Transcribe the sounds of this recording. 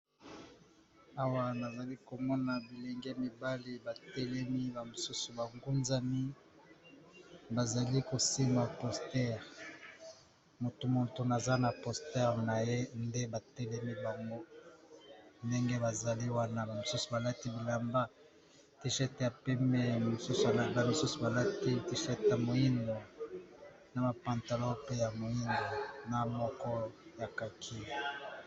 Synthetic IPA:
a˨wa˦na˨za˨li˦ko˨mɔ˦na˨bi˨le˨ŋɡe˦mi˨ba˦li˦ba˨tɛ˦lɛ˦mi˦ba˨mo˨su˦su˨ba˨ŋɡu˦nza˦mi˦ | ba˨za˨li˦ko˨si˦ŋa˨pɔ˨stɛ˦ʁ | mo˨to˨mo˨to˨na˨za˦na˨pɔ˨stɛ˦ʁna˨je˦nde˦ba˨tɛ˦lɛ˦mi˦ba˨ŋɡo˦ | nde˦ŋɡe˦ba˨za˨li˦wa˦na˦ba˨mo˨su˦su˨ba˨la˦ti˦bi˨la˨mba˦ | ti˦ʃɛ˦tja˨pɛ˦mɛ˦˨mo˨su˦su˨a˨la˨ba˦mi˨su˦su˨ba˨la˦ti˦ti˦ʃɛ˦ta˨mo˨i˦ndo˨ | na˨ma˨pa˨nta˨lo˦pe˦ja˨mo˨i˦ndo˨na˨mɔ˦kɔ˦ja˨ka˨kʰi˦

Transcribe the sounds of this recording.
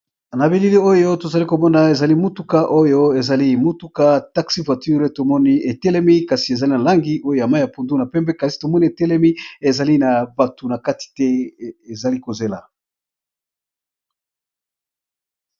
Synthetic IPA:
na˨bi˨li˦li˦o˦jo˦to˨za˨li˦ko˨mɔ˦na˨e˨za˨li˦mu˦tu˦ka˦ʔo˦jo˦e˨za˨li˦mu˦tu˦ka˦ta˦ksi˦vwa˨ty˦ʁe˦to˨mɔ˦ni˦ʔe˨tɛ˦lɛ˦mi˦ka˨si˨e˨za˨li˦na˨la˦ŋɡi˦ʔo˦jo˦˨a˨ma˦ja˨pu˨ndu˦na˨pɛ˦mbɛ˦ka˨si̥˨to˨mɔ˦ni˦e˨tɛ˦lɛ˦mi˦e˨za˨li˦na˨ba˨tu˨na˨ka˦ti̥˨tɛ˦e˨za˨li˦ko˨ze˦la˨

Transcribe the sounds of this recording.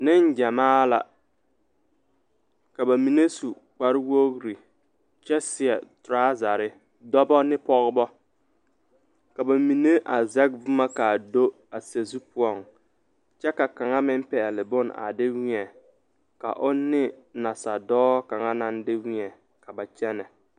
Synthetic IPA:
nɪ˦n˦d͡ʒa˨maː˦la̰˨ | ka˨ba˨mi˨ne˦su˨ | k͡pa˨ɾɪ˦wo˦ɣɾi˨ | t͡ʃɛ˦sɪ˨ɛ˨tɾaː˦za˨ɾɪ˦ | dɔ˦bɔ˦nɪ˦pɔ˦ɣbɔ˦ | ka˨ba˨mi˨ne˦ʔa˨zɛ˦k̚vu˦ma˦ka˨do˦ | a˨se˨zu˦pʊ˦ɔ˨ŋ | t͡ʃɛ˦ka˨ka˨ŋa˦mɪ˦m˦pɛ˨lɪ˨bʊ˦na̰˨dɪ˦wi˦ɛ˨ | ka̰˨ʔʊ˦nːɪ˦na˨sa˨dɔː˦ka˨ŋa˦na˦ndɪ˦wi˦ɛ˨ | ka˨ba˨t͡ʃɛ˦nɛ˨

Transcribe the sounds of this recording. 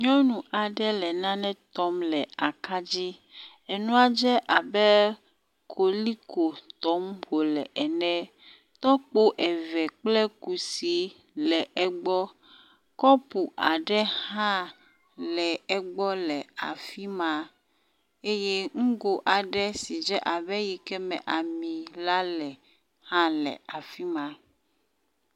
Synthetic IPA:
ɲɔ̃˦nũ˨ʔa˨ɖɛ˦lɛ˨nã˦nɛ̃˦t̪ɔ˦mlɛ˨a˨ka˦d͡ʑi˦ | ɛ˨nũ˦a˦d͡ʒɛ˦ʔa˨bɛ˦ | kʰo˨li˦ko˨t̪ɔ˦mɸo˨lɛ˨ʔɛ˨nɛ̃˦ | t̪ɔ˦k͡po˦ʔɛ˨vɛ˨k͡plɛ˦ku˨si˨ | lɛ˨ʔɛ˨ɡ͡bɔ˦ | kɔ˦pu˨ʔa˨ɖɛ˦hã˦ | lɛ˨ɛ˨ɡ͡bɔ˦lɛ˨a̰˨fi˦mã˨ | e˦je˦ŋ̩̃˦ɡo˨ʔa˨ɖɛ˦si˨d͡ʒɛ˦ʔa˨βɛ˦ji˨kɛ˦mɛ̰̃˨ʔa˨mĩ˨la˦lɛ˨ | hã˦lɛ̰˨a˨fi˦mã˨

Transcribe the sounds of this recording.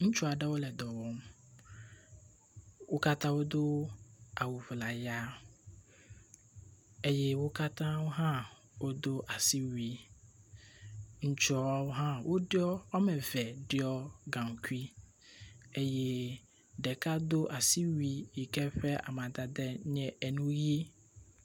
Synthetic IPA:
ŋ̩˦t͡ʃʊ˦a˨ɖɛ˦wo˦lɛ˨d̪ɔ˨wɔ˦m | wo˦ka˦t̪ʰã˦wo˦d̪o˦a˨wu˨vla˨ja˦ | e˦jɛ˦wo˦ka˦t̪ʰã˦wo˦ɦã˦ | wo˦d̪o˦ʔa˨si˦wi˦ | ɲ̩˨t͡ʃɔ˨a˨wo˦ɦã˦wʔo˦dɪ˦ɔ˦ɔ˦mɛ̃˨vɛ˨dɪ˦ɔ˦ɡã˨ŋ˨kʰi˦ | e˨jɛ˦ | dɛ˨kʰa˦do˦ʔa˨si˦wi˦i˨kɛ˦ɸɛ˦a̰˨mã˨da˨dɛ˦ɲɛ̃˨ɛ˨nũ˦ji˦

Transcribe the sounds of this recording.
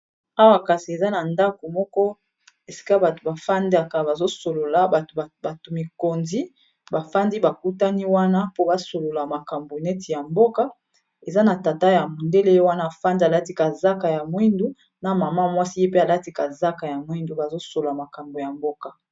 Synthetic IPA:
a˦wa˨ka˨si˨e˨za˦na˨nda˦ko˨mɔ˦kɔ˦ | e˨si̥˦ka˦ba˨to˨ba˨fa˦nda˦˨ka˨ba˨zo˦so˨lo˨la˨tba˨to˨mi˨ko˨nzi˦ | ba˨fa˦ndi˦ba˨ku˦ta˦ni˦wa˦na˦po˦ba˨so˨lo˨la˨ma˨ka˨mbo˨nɛ˦ti˨ja˨mbo˦ka˦ | e˨za˦na˨ta˨ta˦ja˨mo˨nde˦le˦jo˦wa˦naː˦˨fa˦ndi˦a˨la˦ti˦ka˨za˦ka˨ja˨mwi˦ndu˦ | na˨ma˨ma˦˨mwa˦si˦je˦pe˦a˨la˦ti˦ka˨za˦ka˨ja˨mwi˦ndu˨ba˨zo˦so˨lla˨ma˨ka˨mbo˨ja˨mbo˦ka˨

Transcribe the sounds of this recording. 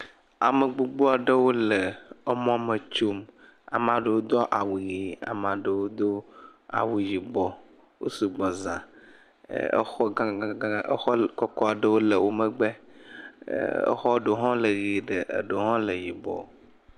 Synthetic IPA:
a˨mə˨ɡ͡bu˨ɡ͡bo˦a˨ɖə˦wo˦le˨ə˦mɔ̃˦mə˨t͡ʃo˦m | a̰˨m˨ã˨ɖə˨wo˦d̪ɔ˦ʔa˨wu˨ɣi˨a̰˨m˨ã˨ɖə˨wo˦d̪o˦a̰˨wu˨ji˨bɔ˨ | wo̰˦su˨ɡ͡bɔ˨zã̰˨ | ə̰˦xɔ˦˨˦ə˦xɔ˦kɔ˦kɔ˦a˨ɖə˦wo˦lə˨wo˦mə˦ɡ͡bḛ˦ | ə̰˦xɔ˦ɖo˨ɦɔ̃˦lə˨ɣi˨ɖə˨ʔḛ˨ɖo˨ɦɔ̃˦lə˨ji˨bɔ̰˨

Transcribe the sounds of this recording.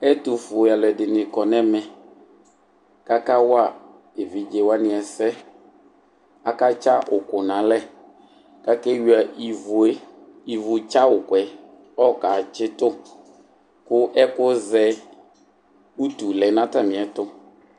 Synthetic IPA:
ɛ˦tu˨fʊ˨a˨lɛ˨dɪ˨nɪ̃˨kɔ˨nɛ̃˦mɛ̃˨ | ka˦ka˦wʊ˦a˨ | e˨vi˨d͡ʒe˨wa˦nɪ̃˨ɛ˨sɛ˦ | a˨ka˦t͡ʃa˦ʔʊ˨kʊ˨nã˨lɛ˦ | ka˦kɛ˦wi˨˦a˨i˨vʊ˨e˦ | i˨vʊ˨t͡ʃa˦ʊ˨kwɛ˨ | ɔ˦ka˨t͡ʃɪ˦tʊ˦ | kʊ˦ʔɛ˦kʊ˦zɛ˦ | u˦tu˨lɛ˨nã˦ta˦˨mɪ̃˨ɛ˨tʊ˦

